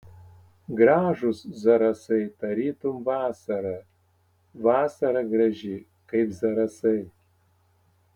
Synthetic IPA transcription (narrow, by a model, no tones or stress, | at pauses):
ɡɾɑːʒʊszɐɾɐsɐɪt̪ɐɾʲiːt̪ʊmʋɑːsɐɾɐ | ʋɑːsɐɾɐɡɾɐʒʲɪ | kɐɪpzɐɾɐsɐɪ